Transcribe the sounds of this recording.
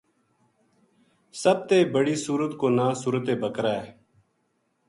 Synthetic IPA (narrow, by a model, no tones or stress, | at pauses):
səb̚t̪eːbəɽiːsuːɾət̪koːnaːsuːɾət̪eːbʱəkɾaːe